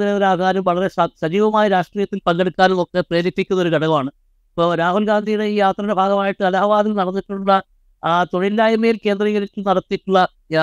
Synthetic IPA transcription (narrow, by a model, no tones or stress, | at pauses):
ineoɾaːɡaːɾɐmʋɐɭɐɾesɐsɐd͡ʑiːʋɐmaːjɐɾaːʂʈriːjɐt̪ːilpɐŋɡeɽukːaːnumo̞kːe̞pre̞ːɾik̪ːikʲːunːɐo̞ɾuɡɐɽɐɣɐmaːɳɨ | ipːoɾaːɦulɡaːnd̪ʱijuɽeiːjaːt̪rɐnɐbʱaːɡɐmaːjiʈːɨɐlaːbaːðilnɐɽɐnːiʈːuuɭːɐ | aːt̪o̞ɳilːaːjɐmeːlke̞ːnd̪riːɣɐɾitːunɐɽɐt̪ːiʈːuɭːɐ